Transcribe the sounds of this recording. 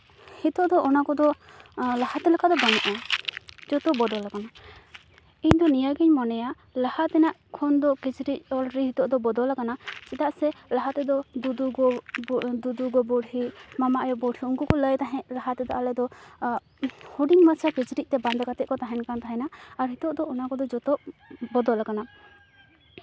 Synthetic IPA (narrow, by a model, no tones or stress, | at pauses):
hit̪ɔʔd̪ɔʔɔnakɔd̪ɔ | lahat̪ɛlɛkad̪ɔbanaʔa | d͡ʒɔt̪ɔbɔd̪ɔlakana | iɲd̪ɔnijaɡiɲmɔnɛja | lahat̪ɛnaʔkʰɔnd̪ɔkit͡ʃɾic̚ɔlɾiɦit̪ɔʔd̪ɔbɔd̪ɔlakanat͡ʃit̪aʔsɛlaɦat̪ɛd̪ɔd̪ud̪uɡɔ | d̪ud̪uɡɔbɔɽhimamaʔjɔbɔɽʰiuŋkɔkɔləjt̪aɦɛ̃ʔlaɦat̪ɛd̪ɔalɛd̪ɔ | huɖiŋmat͡ʃʰakit͡ʃɾic̚t̪ɛband̪ɛkat̪ɛʔ̚kɔt̪aɦɛnkant̪ʰaɦɛnaːɾɦit̪ɔʔd̪ɔʔɔnakɔd̪ɔd͡ʒɔt̪ɔbɔd̪ɔlakana